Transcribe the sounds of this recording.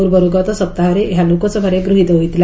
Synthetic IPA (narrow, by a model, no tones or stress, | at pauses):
uɾbəɾuɡat̪ɔsəp̚t̪aɦəɾeɦjanukɔt͡səbʱəɾeɡɾuɦid̪əʋit̪ila